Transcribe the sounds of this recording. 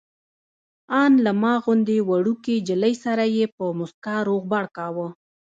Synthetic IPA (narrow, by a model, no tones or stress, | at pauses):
ɑnlamɑɣʊnd̪ewaɽuked͡ʒələjsaɾajepəmʊskaɾoɣbaɽkɑwə